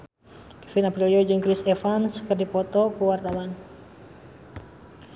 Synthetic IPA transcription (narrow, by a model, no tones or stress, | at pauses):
kɛfinapɾiliɔd͡ʒɨŋkɾisɛfansə̥kərdipɔt̪ɔkuwart̪awan